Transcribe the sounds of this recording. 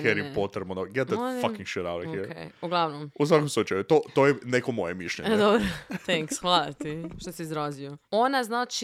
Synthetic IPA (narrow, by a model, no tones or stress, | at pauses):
kɛɾipot̪ɾebmonoɡɛt̪̚ðɛfakĩŋɡʃɛɾawɾɛiɾkejuɡlˠaʋnomus̬ʋak̬omslˠut͡ʃajut̪ot̪ojɛnekomojemiʃlʎḛɲed̪obɾot̪ɛŋksxʋalˠat̪iʃt̪osiizɾazioonaznat͡ʃi